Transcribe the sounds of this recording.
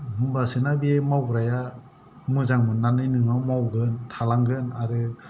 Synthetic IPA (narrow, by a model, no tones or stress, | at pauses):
mɯmbasɯnabemawɡɾaja | mɯzaŋmɯnːanɯjnɯŋawmawɡɯntʰalaŋɡɯnaɾɯ